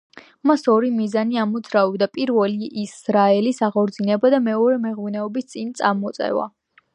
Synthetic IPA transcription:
masɔɾimizaniamɔd̪zɾaɔbd̪apʼiɾvɛliʔisɾaɛlisaʁɔɾd̪zinɛbad̪amɛɔɾɛmɛʁvnɛɔbist̪sʼint̪sʼaɾmɔt̪sʼɛ̰va̰

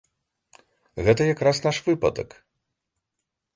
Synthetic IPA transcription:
ɣɛt̪ɐjakɾasnaʂvɨpɐ̰d̪ɐ̰k

